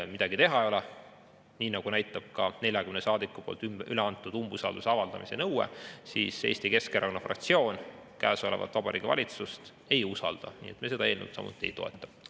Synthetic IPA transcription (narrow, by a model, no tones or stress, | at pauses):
mid̪̥ɑɡ̥it̪e̞ɦɑejo̞le | niːnɑɡ̥unæjt̪ːˑɑb̥̚kɑne̞lʲjɑkymnesɑːd̪ikːˑupo̞̰ːlt̪yʔyleɑnt̪ːˑud̪̥umb̥usɑːld̪useɑvɑld̪̥ɑ̰mise̞nɤwḛsḭːse̞̰ːst̪ike̞skeɾʔɑkonːɑfrɑ̰k̚t̪sio̞ːnkæːso̞levɑ̰t̪vɑb̥ɑɾḭːɡ̥ivɑ̰lʲit̪sust̪ | e̞jusɑld̪̥ɑ̰nḭːet̪mese̥ɑe̞ːlnḛt̪sɑ̰mṵt̪ːˑiḛjt̪o̞e̞̰t̪ːˑɑ̥